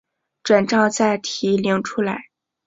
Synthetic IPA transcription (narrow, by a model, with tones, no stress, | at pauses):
ʈ͡ʂwa˨˩nʈ͡ʂɑ˥˧ʊt͡sa˥˩ɪt̪ʰi˧˥li˧˥ŋʈ͡ʂʰu˥la˧˥ɪ